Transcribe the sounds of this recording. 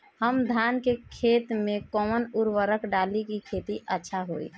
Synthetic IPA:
həmd̪ʱankekʰet̪mẽkɔːmənuɾʋəɾəkɖalikikʰet̪iʔətːʃʰaɦoḭ

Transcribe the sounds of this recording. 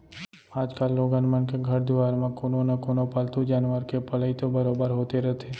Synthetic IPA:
aːd͡ʒkaːlːoːɡanmənkeɡʱəɾd̪ɪʋaːɾmãkoːnonakoːnopəlt̪ud͡ʒaːnʋəɾkepələit̪obəɾoːbəɾɦoːt̪eɾɐt̪ʰe

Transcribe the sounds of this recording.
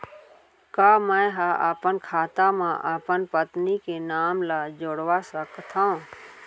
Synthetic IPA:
kaːmə̃ɦaʔapənkʰaːt̪amãʔəpənpət̪nikenaːmlad͡ʒoɽʋasəkt̪ʰã

